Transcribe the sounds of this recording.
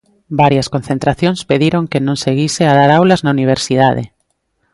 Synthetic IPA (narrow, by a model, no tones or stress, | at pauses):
baɾjaskon̟θent̪ɾaθjõnspeðiɾoŋkenõŋseɣiseað̞aɾawlaznauniβ̞eɾsið̞aðḛ